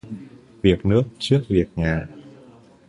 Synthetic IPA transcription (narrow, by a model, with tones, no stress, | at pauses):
vi˨˩ək̚nɨ˦˥ək̚t͡ɕɨ˦˥ək̚vi˨˩ək̚ŋa̰ː˨